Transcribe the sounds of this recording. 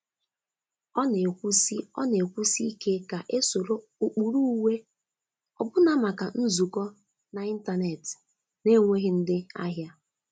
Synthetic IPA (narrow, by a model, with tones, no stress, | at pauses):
ɔ˦ne˨kʷu˦si˦ɔ̰˦ne˨kʷu˦si˦i˦ke˦ka˨ʔe˦so˨ɾo˦ | u˨k͡pu˨ɾu˦u˦we˦ | ɔ̰˨bʊ˦na˦ma˨ka˨n̩˦zu˨kɔ˦ | na˨i˦n̩˦ta˦ne˨t | ne˦ŋʷe˦ɦɪ˦n̩˦dɪ˦a̰˦ɦja˦